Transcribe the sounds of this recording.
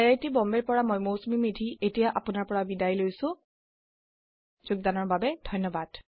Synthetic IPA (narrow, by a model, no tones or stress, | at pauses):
ɛɹajtibɔmbɛɹpɔɹamɔjmosmimidʱietijaʔapʊnaɹpɔɹabidajlojsʊ̃ | zʊɡ̚danɔɹbabɛd̥ʱɔjnːɔbad̥